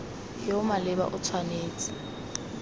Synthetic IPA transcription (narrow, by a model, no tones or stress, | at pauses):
hɪʊmalɪba̰ʔʊt͡sʰwaneːt͡sʼɪ̥